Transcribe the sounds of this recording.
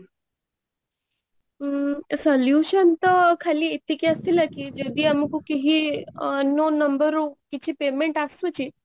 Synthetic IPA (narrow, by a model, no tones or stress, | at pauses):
sɔljuʃənt̪əkʰaliet̪ːikiəst̪ilakid͡ʒed̪iamukukeɦi | nonəmbəɾukit͡ɕʰipemeɳʈasut͡ɕi